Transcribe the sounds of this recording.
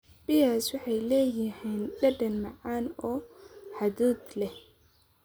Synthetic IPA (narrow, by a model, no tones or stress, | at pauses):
b̥ɪjaswɑħɑjlɛːjɪhɛːndɐɖɐnmɑʕaːnɔːħɑd̪uːd̪lɛ